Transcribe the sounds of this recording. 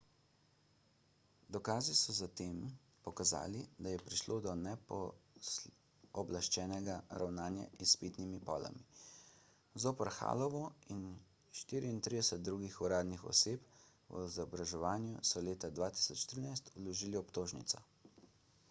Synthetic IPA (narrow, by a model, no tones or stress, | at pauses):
d̪ɔkaːzisɔzat̪eːm | pɔkaza̰ːlid̪ajɛpɾiʃloːd̪ɔnɛpɔ | ɔblaʃt͡ʃɛːnɛɡaɾawnaːnja̰ispit̪nimipɔ̰ːla̰mi | zoːpəɾxa̰ːlɔʋɔin | ʃt̪iːɾiint̪ɾid̪ɛsɛt̪̚d̪ɾuːɡixuɾaːd̪nixɔ̰seːp | wɔ̰zɔbɾaʒɛʋaːnjusɔleːt̪ad̪ʋaːt̪i̥sɔt͡ʃːt̪ɾiːnajst̪ulɔʒiːliɔpt̪oːʒnḭt̪sɔ